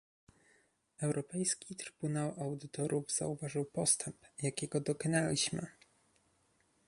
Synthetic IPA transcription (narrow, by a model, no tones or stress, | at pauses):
ɛwɾɔpɛjskʲit̪ɾɘ̥b̥unawʔawd̪ɘt̪ɔɾʔuvz̥a̰uvaʐɨwpɔst̪ʰɛmpjakʲɛɡɔd̪ɔkɔnalʲiɕmɘ̰